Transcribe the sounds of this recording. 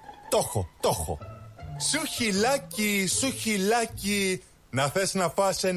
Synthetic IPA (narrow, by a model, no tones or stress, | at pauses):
t̪oxot̪oxo̰suçilɐcisuçilɐci | nɐθesnɐfɐse